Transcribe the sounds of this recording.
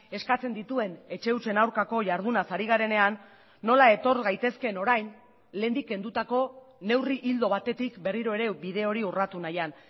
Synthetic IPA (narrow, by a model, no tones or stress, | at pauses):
e̞skat͡se̞nd̪it̪ue̞ne̞t͡ʃe̞ut͡ʃe̞nawɾkako̞ʝaɾðunasaɾiɣaɾe̞ne̞anː | o̞lae̞t̪o̞ɾɣajt̪e̞ske̞no̞ɾajn | le̞ːnd̪ikːe̞nd̪ut̪ako̞ | ne̞wriʔild̪o̞βat̪e̞t̪ikbe̞riɾo̞e̞ɾe̞biðe̞o̞ɾiurat̪unajan